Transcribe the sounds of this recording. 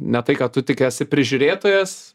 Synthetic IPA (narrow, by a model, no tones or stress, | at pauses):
nʲɛt̪ɐɪkɐtt̪ʊt̪ʲɪkʲɛsʲɪpʲɾʲɪʒʲʊːɾʲeːt̪oːjɛs